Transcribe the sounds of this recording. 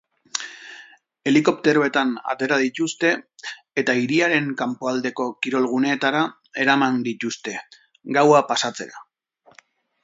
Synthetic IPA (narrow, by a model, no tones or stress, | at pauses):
e̞liko̞pt̪e̞ɾo̞e̞t̪ana̰t̪e̞ɾaðit̪ust̪e̞ː | t̪aiɾiaɾe̞ŋkampoald̪e̞ko̞kiɾo̞lɣ̞une̞ːt̪aɾa | e̞ɾamand̪it̪ust̪e̞ | ɡawapasat͡se̞̰ɾa̰